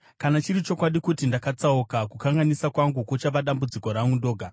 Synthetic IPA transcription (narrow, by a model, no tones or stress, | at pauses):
kanat͡ʃiɾit͡ʃo̞kwaɗikutindakat͡saukakukaŋɡanisakwaŋɡukot͡ʃaʋaɗambud͡ziko̞ɾaŋɡundo̞ːɡʱa